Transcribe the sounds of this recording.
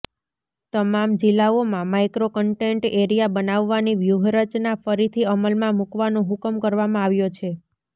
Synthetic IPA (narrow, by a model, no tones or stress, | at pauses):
t̪əmamd͡ʒɪlːaomãmajkɾokəɳʈeɳʈeɾijabənaʋːaniʋjuɦɾət͡ʃnafəɾit̪ʰiəməlmãmukʋanõɦʊkəmkəɾʋamãaʋjot͡ʃʰe